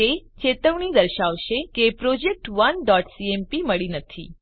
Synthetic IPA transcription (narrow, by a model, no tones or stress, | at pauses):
et͡ɕet̪əʋɳ̃iːd̪əɾɕaʋɕekepɾod͡ʑek̚ʈʋənɖɔʈsiempiməɭiːnət̪ʰḭː